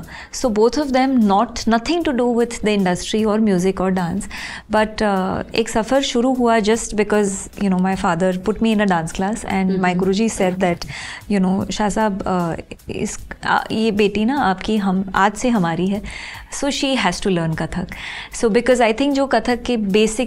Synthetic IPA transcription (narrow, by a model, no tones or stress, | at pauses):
soːboːt̪ʰɔʋd̪ɛ̃mnɔːʈnɐt̪ʰɪ̃ŋʈuɖuːʋɪd̪d̪əɪ̃ɳɖəsʈɾiɔːɾmjuːzɪkɔːɾɖãːnsbɐʈːḛːksɐfəɾʃʊɾuɦuad͡ʒɐsʈbɪkɔːz | junoːmaɪfaːd̪əɾpʊʈmiɪ̃nəɖãːnsklaːsɛ̰̃ɳɖmaɪɡɾud͡ʒisɛd̪̚d̪æʈjunoːʃaːsaːb | ɪ̰sjebeːʈinaaːpkiɦɐma̰ːd͡ʒseɦɐmaːɾiɦɛ | soːʃiːɦæz̥ʈuləːɾnkɐt̪ʰək | soːbɪkɔːzaɪt̪ʰɪ̃ŋk̚d͡ʒoːkɐt̪ʰəkːebeːsɪk